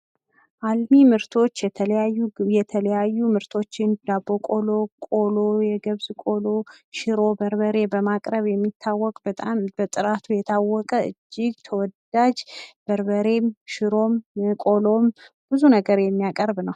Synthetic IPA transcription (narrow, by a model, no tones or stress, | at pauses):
ʔalmimɨɾt̪ʰo̞t͡ʃːɛəjajɛt̪ʰələjajːumɨɾt̪ʰo̞t͡ʃːɪnd̪abːo̞kʼolo̞kʼo̞lojɛɡəβzkʼo̞loʃɪɾo̞bəɾbəɾe̞bəmakʼɾəβjɛmːit̪ʰːawːɔkʼbət̪ʼambət̪ʼɨɾat̪ʰujɛt̪ʰawːɔkʼəɨ̰d͡ʒːɪɡt̪ʰəwɔd̪ad͡ʒb̥əɾbəɾe̞mʃɪɾomkʼo̞lo̞m | b̥ɨzunəɡəɾjɛmːijakʼəɾbnəw